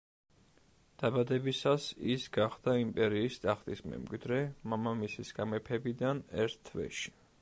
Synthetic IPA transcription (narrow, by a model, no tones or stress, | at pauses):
d̪̥abad̪ɛbisasisɡaχd̪̥aimpʼɛɾiːst̪ʼaχt̪ʼismɛ̰mɡwid̪ɾɛmamamisisɡamɛpʰɛbid̪anɛ̰ɾt̪ʰt̪ʰːvɛ̰ʃi̥